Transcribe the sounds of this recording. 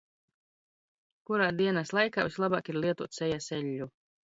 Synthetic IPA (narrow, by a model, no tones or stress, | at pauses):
kuɾaːd̪iɛnaslˠajka̰ːvislˠaba̰ːkiɾlˠiɛt̪uɔt̪sɛjasɛʎʲːu